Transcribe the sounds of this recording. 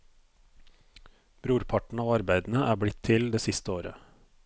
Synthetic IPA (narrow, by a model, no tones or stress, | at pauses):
b̥ɾuːɾpʰɑʈɳ̩ɑːʋɑɾbæɪd̪n̩əʔæːbɽɪt̪ʰɪld̪eːsɪst̪əoːɾə̰